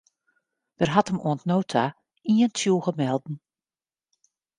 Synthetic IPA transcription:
d̥ərɦatəmo̰əntnoːtʰa | iəntʰjuːɣəmɛlˠdn̩

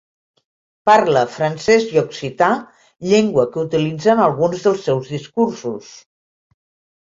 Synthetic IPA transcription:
paɾləfɾənsɛzjoksit̪a | ʎeŋɡwəkəut̪ilid͡zənəlˠɣunzðəlˠsːɛwzðiskuɾsus

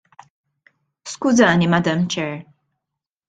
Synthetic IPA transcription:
skʊzɐːnimɐd̪ɐmt͡ʃɛɾ

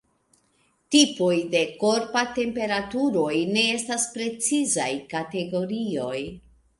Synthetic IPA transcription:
tipo̞jde̞ko̞ɾpate̞mpe̞ɾatuɾo̞jne̞e̞staspɾe̞t͡siza̰jkate̞ɡo̞ɾio̞j

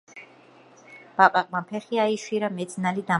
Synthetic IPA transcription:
b̥apʼaqʼmapʰɛχiaiʃwiɾamɛd̪sʼnalid̪a

